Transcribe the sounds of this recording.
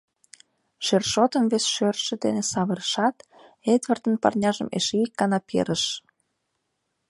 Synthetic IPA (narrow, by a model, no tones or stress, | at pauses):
ʃerʃot̪ə̆nβesʃørʃə̆d̪ḛnesɑβəɾəʃɑt̪ | ed̪βərt̪ə̆npɑ̰rnʲɑʒə̰̆mḛʃeikːɑnɑpḛɾə̆ʃ